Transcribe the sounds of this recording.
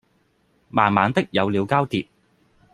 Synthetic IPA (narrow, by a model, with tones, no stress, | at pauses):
maː˨˩nmaː˨˧nt̪ɪ˥k̚jɐ˨˧wliː˨˧wkaː˥wt̪iː˨t̚